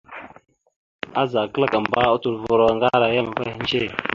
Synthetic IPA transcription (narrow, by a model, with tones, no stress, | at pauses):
a˦za˨kə˦la˦ka˨mba˦u˦tu˨ɾvu˨ɾa˨ŋɡa˦ɾa˨ja˦ma˨va˦i˦nd͡ʒe˦˨